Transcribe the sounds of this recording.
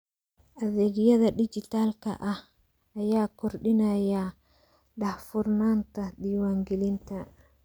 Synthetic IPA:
ʔɐðɛːɡjɐðɐɗɪd͡ʒɪt̪aːlkʰɐ̰ʔɐh | ɐjaːkʰɔrɗɪnaːja | ɗɐhfʊrnaːnt̪ʰɐɗiːwaːŋɡɛlɪnt̪ʰɐ

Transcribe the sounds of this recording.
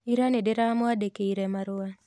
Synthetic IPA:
iɾanedɪɾamɔadekeiɾemaɾʊa

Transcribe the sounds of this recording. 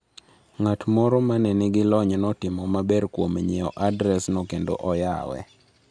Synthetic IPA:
ŋatmɔɾɔmanɛnɪɡɪlɔɲnɔtɪmɔmabɛrkwomɲɛɔ̰ʔadɾɛsnokendo̰ʔɔja̰wɛ̰

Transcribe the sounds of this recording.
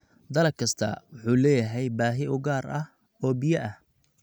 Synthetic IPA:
d̪ɐlɐkʰɐst̪ʰɐ̰wʊħuːlɛːjɐɦɛjbaːɦɪʔʊɡaːrɐh | ɔːbɪjɐʔɐh

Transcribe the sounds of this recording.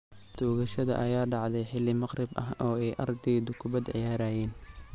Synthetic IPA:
t̪ʰuːɣɐʃɐðɐ̰ʔɐjaːɖɑʕd̪ɛjħɪlːɪmɐqrɪbɐɦɔːɛjʔɐrd̪ɛːðʊkʰʊbɐd̪ʕɪ̰jaːɾaːjɛːn

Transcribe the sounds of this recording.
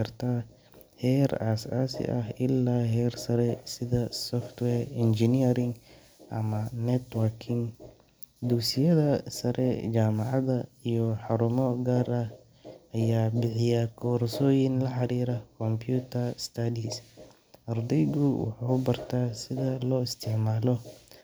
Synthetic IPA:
ɐrt̪ʰa | hɛːra̰ːsa̰ːsɪ̰ʔɐɦɪlːaːɦɛːrsɐɾɛsɪðɐsɔft̪wɛːrɪnd͡ʒɪniɾɪŋ | ʔɐ̰mɐnɛt̪wɐrkʰɪŋ | d̪uːsɪjɐðɐsɐɾʔɛt͡ʃaːmɑʕɑðɐijɔħɑɾʊmɔɡaːrɐ | ʔɐjaːbɪħɪjɐkʰɔːɾsɔːjɪnlɐħɑɾiːɾɐkʰɔmpʰjuːt̪ʰɐrst̪ʰɐd̪is | ʔɐrd̪ɛjɣʊwɑ̰ħaːʊbɐrt̪ʰaːsɪðɐlɔːɪst̪ʰɪʕmaːlɔ

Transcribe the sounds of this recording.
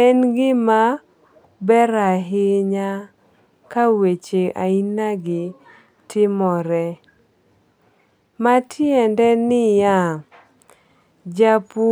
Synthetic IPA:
ɛnɡɪma | bɛɾaɦɪɲa | kawet͡ʃeʔa̰inaɡɪ | tʰɪmɔɾɛ | matʰɪɛndɛnɪja | d͡ʒapu

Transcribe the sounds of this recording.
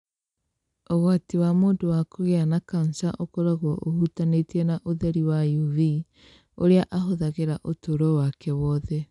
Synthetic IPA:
oɣwatiwamoːndowakoɣeanakansaʔokoɾaɣwɔʔohutanetiɛnaʔoðɛɾiwajuvi | oɾeaʔaɦoðaɣeɾaʔotoɾɔwakɛwɔðɛ

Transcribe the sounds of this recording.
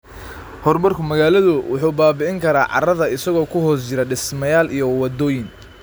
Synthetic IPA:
hɔrmɐrkʰʊmɐɣaːlɐðʊwʊħuːbaːbɪʕɪŋkʰɐɾaːʕɑ̰rɐðɐɪsɐɣɔːkʰʊhɔːst͡ʃɪɾɐɖɪsmɐjaːlijɔwɑd̪ɔːjɪn

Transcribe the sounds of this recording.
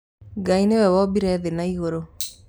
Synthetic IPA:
ɡainewɛwɔbiɾɛðenaiɣoɾo

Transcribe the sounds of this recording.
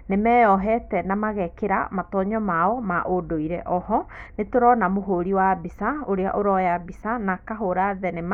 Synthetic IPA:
nemɛjɔɦɛtɛnamaɣɛkeɾa̰matɔɲɔmaɔmaʔodoiɾɛʔɔɦɔnetoɾɔnamoɦoɾiwabisaoɾea̰ʔoɾɔjabisanakaɦoɾaðɛnem

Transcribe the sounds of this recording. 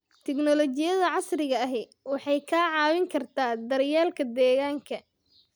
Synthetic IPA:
t̪ʰɛɡnɔlɔt͡ʃɪjɐðɐʕɑsrɪɣɐɐɦɛwɑħɑjkʰaːʕɑːwɪŋkʰɐrt̪ʰaːd̪ɐɾjaːlkʰɐd̪ɛːɣaːŋkʰɐ

